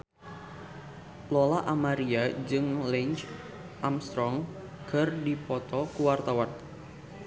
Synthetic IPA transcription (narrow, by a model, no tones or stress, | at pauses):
lɔlaʔamaɾiad͡ʒɨŋlɛɲt͡ʃ | ʔamst̪ɾɔŋ | kɨrdipɔt̪ɔkuwart̪awan